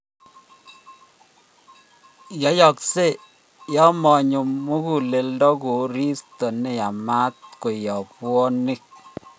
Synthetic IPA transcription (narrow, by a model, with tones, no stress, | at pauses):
jɔ˨˦jɔ˨kse˦˨ | jɔ˦mɔ˨ɲu˨mːu˦ku˨le˨ldɔ˦ku˨ɾi˦stɔ˨ne˨ja˨ma˦t̪̚ko˨jɔ˨pwɔ˦ni˦k̚